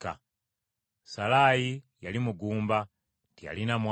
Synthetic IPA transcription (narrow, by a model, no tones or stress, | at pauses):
ka | salaji | jalimuɡuːmba | tija̰linamw